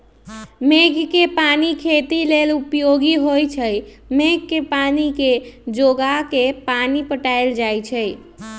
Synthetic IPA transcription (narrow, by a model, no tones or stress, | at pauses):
meɡkepanikʰet̪ilelupjoɡiɦojt͡ʃʰəj | meɡkepaniked͡ʒoɡakepanipəʈaeld͡ʒajt͡ʃʰə